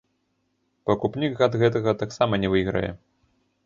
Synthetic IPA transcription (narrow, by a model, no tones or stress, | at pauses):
pɐkupnʲikɣad̪ɣɛt̪ɐɣɐt̪aksamɐnʲɛvɨɣɾɐ̰jɛ̰